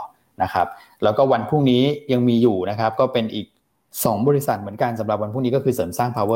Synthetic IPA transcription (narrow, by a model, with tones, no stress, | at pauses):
na˦˥kʰa˦˥p̚ | lɛː˦˥wkɔː˥˩wa˧npʰu˥˩ŋniː˦˥ja˧ŋmiː˧juː˨˩na˦˥kʰa˦˥p̚kɔː˥˩pe˧nʔiː˨˩k̚ | sɔː˩˦ŋbɔː˧ɾi˦˥sa˨˩t̪̚mɯ˩˦ə˦nka˧nsa˨˩˦mɾa˨˩wa˧npʰu˥˩ŋniː˦˥kɔː˥˩kʰɯː˧sɤː˩˦msaː˥˩ŋpʰaː˧wɤː˥˩